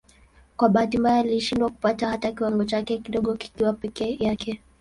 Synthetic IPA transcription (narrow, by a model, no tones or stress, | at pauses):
kwaɓaːtimbajɔliʃindwaku̥patahatakiwaŋɡɔt͡ʃakɛkiɗɔɠɔki̥kiwapɛkɛjakʰɛ